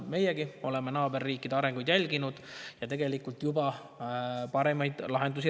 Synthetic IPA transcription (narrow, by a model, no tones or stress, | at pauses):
me̞jeɡio̞le̞me̞nɑːbe̞rːiːkːˑid̪eɑɾe̞ŋɡujd̪jælʲɡinud̪̥jɑt̪e̞ɡ̥e̞likːˑult̪jubɑ | pɑɾe̞mɑjd̪̥lɑɦe̞nd̪us̬i